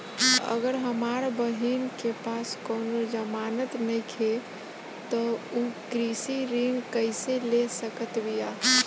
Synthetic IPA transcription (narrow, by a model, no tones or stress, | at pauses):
ə̰ɡəɾɦəmaɾbəɦinkepaskownod͡ʒəmanət̪nəjkʰe | t̪ɔukɾisiɾinkəɪselesəkət̪bija